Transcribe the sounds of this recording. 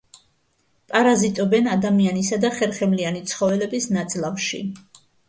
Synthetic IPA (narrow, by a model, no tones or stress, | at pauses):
pʼaɾazit̪ʼɔbɛnad̪amianisad̪aχɛɾχɛmlianit̪sʰχɔvɛlɛbisnat̪sʼlˠamʃḭ